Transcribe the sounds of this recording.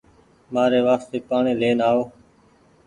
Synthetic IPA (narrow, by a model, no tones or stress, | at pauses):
maːɾeːʋaːst̪eːpaːɳeːleːnaːoː